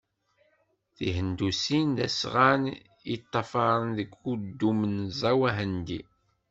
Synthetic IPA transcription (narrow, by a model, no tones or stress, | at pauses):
θiɦənd̪usind̪æsʁan | it̪ˤːɑfɑɾˤənðəɡud̪ːumənzˤæwæɦənd̪i